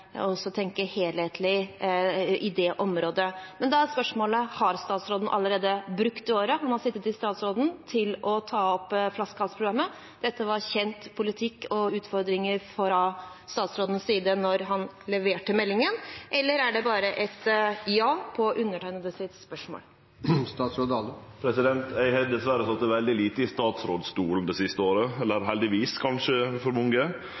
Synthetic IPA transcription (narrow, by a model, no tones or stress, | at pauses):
ɔsːɔt̪ʰɛŋkəheːlheːt̪ʰlɪ | ʔɪd̪ɛʔɔmɾoːd̪əmɛnd̪ɛæɾspœʂmoːləhɑɾst̪ɑːt̪sɾoːd̪n̩ʔɑ̰lːəɾeːd̪əbɾʉkt̪ɪoːɾəɦɑnhɑsɪt̪ːət̪ɪst̪ɑːt̪sɾoːd̪n̩t̪ʰɪlɔt̪ʰɑːɔpːflɑskɑlspʰɾʊɡɑmːə | d̪̥ɛt̪ːəʋɑɾçɛnt̪pʰʊlɪt̪ʰɪkːɔʉːt̪fɔɾd̪ɾɪŋəɾfɾɑst̪ɑːt̪sɾoːd̪ənsːiːd̪ənɔɾɦɑnlɛʋeːʈəmɛlːɪŋənʔɛlːəɾæɖɛbɑːɾəʔɛt̪jɑːpʰɔʔʉnːəʈʰæɪnəd̪əsɪt̪spœʂmo̰ːl | st̪ɑːt̪sɾoːd̪ɑləpʰɾɛsɪd̪ɛnt̪æɪhɛd̪ɛsʋæɾəsɔt̪ɛʋɛld̪ɪliːt̪əɪst̪ɑːt̪sɾoːd̪st̪uːln̩d̪ɛsɪst̪əoːɾəɛlːəɾɦɛld̪ɪʋiːskʰɑnʂəfɔɾmɔŋɡə